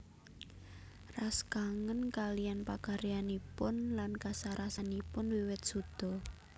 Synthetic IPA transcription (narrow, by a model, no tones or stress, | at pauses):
raskaŋənkalijanpakaɾianipʊnlankasaɾʔasanipʊnwiwɪt̪̚sud̪̥ɔ̤